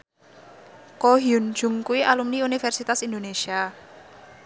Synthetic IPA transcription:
koɦiun̥d͡ʒ̥ṳŋkuiʔalumniunifɛrsit̪asind̪onesia

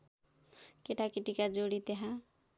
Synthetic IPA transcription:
keʈakiʈikad͡ʒoɽit̪eɦã

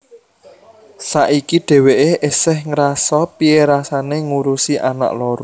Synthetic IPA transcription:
saʔikiɖ̥ɛ̤weʔeʔesɪhŋəɾasɔpieɾasaneŋuɾusiʔa̰na̰ʔlɔɾu

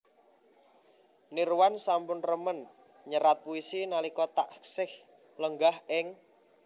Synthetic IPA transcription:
nirwansampʊnrəmən | ɲəɾat̪̚puisinalikɔt̪aʔsɪh | ləŋɡahɪŋ

